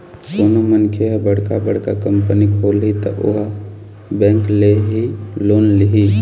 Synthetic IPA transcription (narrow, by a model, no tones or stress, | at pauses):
konomənkʰeɦbəɽkabəɽ̤kakəmpənikʰolɦit̪ɔ̰ʔo̰ɦ | bɛ̃ːŋkleɦiloːnliɦi